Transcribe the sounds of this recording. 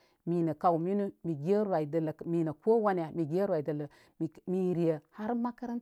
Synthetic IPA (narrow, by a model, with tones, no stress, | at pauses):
mi˨nə˨ka˨wmi˦nu˦mi˨ɡe˦ɾa˨i˨də˨lə˨mi˨nə˨ko˦wa˦n˨ja˨mi˨ɡʲe˦ɾwa˨i˨də˨lə˨ | m˨mi˨ɾi˨ə˨ha˦ɾma˦ka˦ɾə˦n